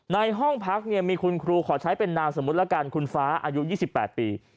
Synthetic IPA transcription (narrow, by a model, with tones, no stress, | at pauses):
na˧jɦɔ˥˩ŋpʰa˦˥k̚ni˥˩miː˧kʰu˧nkʰɾuː˧kʰɔː˩˦t͡ɕʰa˦˥jpe˧nːaː˧mso˩˦mu˦˥t̪̚la˦˥ka˧nkʰu˧nfaː˦˥ʔa̰ː˧ju˦˥jiː˥˩si˨˩pːɛː˨˩t̪̚piː˧